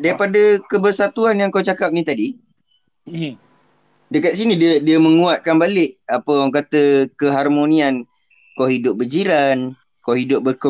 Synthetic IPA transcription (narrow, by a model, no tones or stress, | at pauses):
daɾipadəkəbərsat̪uanjaŋkawt͡ʃakap̚nit̪adi | dəkat̪̚s̬inĩdədiəmə̃ŋuat̪̚kanbalɪʔ̚apəwaŋkat̪əkəɦarmonian | kawɦidʊp̚bəd͡ʒiɾan | kawɦidʊp̚bəkə